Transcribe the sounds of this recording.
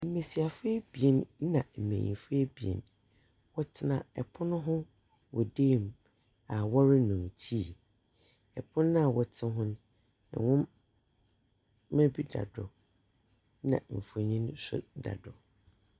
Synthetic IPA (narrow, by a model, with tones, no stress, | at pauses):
m̩˨˦mẽ˨si˨a˨fe˦bi˨e˦n˦nã˨m̩˨mḛ̃˨ɲḭ̃˨fe˦bi˨ḛ˨n | wɔ˦tʰɪ˦nã˨ɛ˨pʰʊ˦nʊ̃˦ɦʊ̃˦ | wɔ̰˨deː˦˨m˨ | a˨wɔ˦ɾɪ˦nʊ̃˨m˨tʰi˦˨ | ɛ˨pʰʊ̃˦nː˦ã˦˨wɔ˨tʰɪ̃˦ɦʊ̃˦nʊ̰̃˦˨ | wʊ̃˦m | ɛ̃˦bi˦da̰˨dʊ˨ | nã̰˨m̩˨fo˨ɲĩ˦nsʊ̰˦da̰˨dʊ˨